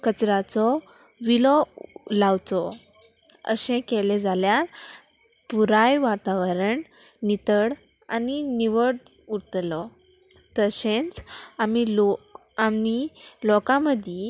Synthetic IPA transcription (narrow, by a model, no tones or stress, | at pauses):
kət͡sɾat͡sɔʋilɔlawt͡sɔ | ə̰ɕẽkeled͡zaljaɾ | puɾajʋaɾt̪aʋəɾəɳnit̪əɽa̰niniʋəɽuɾt̪lɔt̪əɕẽnt͡samilokamilɔkãməd̪ʱje